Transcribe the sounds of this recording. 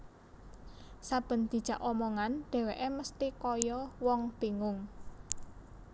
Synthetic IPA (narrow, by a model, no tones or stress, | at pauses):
sab̥ə̤nd̪̥i̤̥ʒ̥ä̤ʔɔmɔŋanɖ̪̥ɛ̤weʔeməst̪ikɔjɔwɔŋb̥e̤ŋʊŋ